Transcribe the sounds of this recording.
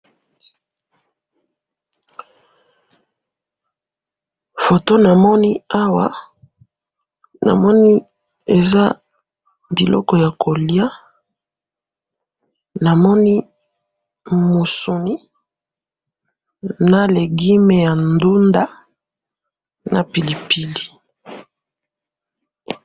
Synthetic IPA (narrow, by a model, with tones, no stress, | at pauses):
fo˨to˦na˨mɔ˦ni˦a˦wa˦ | na̰˨mɔ˦ni˦ | e˨za˦ | bi˨lɔ̰˦kɔ˦ja˨kʰo˨lja˦ | na˨mɔ˦ni˦ | mu˨su˨ni˦ | na˨le˨ɡi˦me˨ja˨ndu˦nda˦ | na˨pi˨li˨pi˦li˨